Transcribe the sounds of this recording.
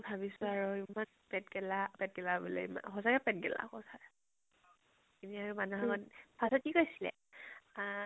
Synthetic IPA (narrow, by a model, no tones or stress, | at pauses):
bʱabisʊaɹuimanpɛt̚ɡɛlapɛt̚ɡɛlabɔlḛima̰xɔzakɛpɛt̚ɡɛla̰xɔza | kiniaɹumanuɦaɡɔtpʰasɔtikojsilɛ̰